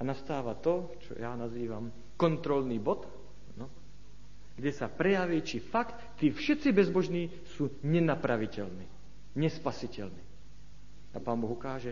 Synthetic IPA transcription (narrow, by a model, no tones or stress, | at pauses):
anast̪aːʋat̪ɔ | t͡ʃɔ̰jaːnaziːʋam | kɔnt̪ɾɔlniːbɔt̪ | anɔ | ɡ̥ɟɛsapɾɛjaʋiːt͡ʃifakt̪ːiːfʃɛt̪t͡sibɛzbɔʒniː | suːɲɛnapɾaʋicɛlniː | ɲɛspasicɛlniː | apaːnbɔɣukaːʒɛ